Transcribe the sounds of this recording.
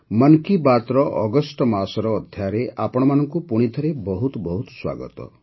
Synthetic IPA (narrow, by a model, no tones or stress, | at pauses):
mənkibat̪ɾɔʔɔɡɔsʈɔmasɔɾɔːd̪ʱjaɾeʔapɔɽ̃ɔmanɔŋkupuɽ̃it̪ʰɔɾebɔɦut̪bɔɦut̪swa̰ɡɔ̰t̪ɔ̰